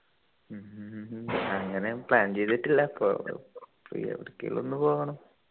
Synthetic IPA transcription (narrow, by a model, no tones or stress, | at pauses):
ɐŋːɐnepɭaːnt͡ɕejt̪ːiʈːilːɐɐpːo̰ːprḭɐ̰ʋiɽɐkʲːejḭlo̰nːɨpo̞ːɣɐɳɐm